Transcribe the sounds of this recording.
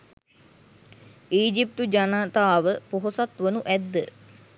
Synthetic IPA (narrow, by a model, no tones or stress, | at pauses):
iːd͡ʒip̚t̪ud͡ʒanaːt̪aːʋəpoɦosat̪ʋənuʔæd̪ːə